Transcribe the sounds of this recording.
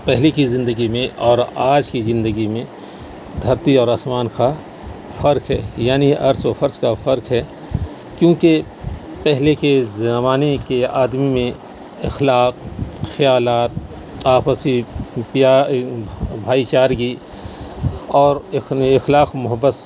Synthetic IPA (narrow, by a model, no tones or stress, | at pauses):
pɛɦlekizɪ̃nd̪əɡimẽɔːɾaːd͡ʒkizɪ̃nd̪əɡimẽ | ɡ̪ʱɐɾt̪iɔːɾɐsmaːnka | fɐɾkɦɛ̰ːjaːniɐɾsofɐɾskafɐɾkɦɛː | kjõːke | pɛɦlekezmaːnekeaːd̪mimẽ | ɪxlaːq̚xɐjaːlaːt̪̚ | aːpəsipja | bʱaːit͡ʃaːɾɡi | ɔːɾɪxlaːqmʊɦəbːəs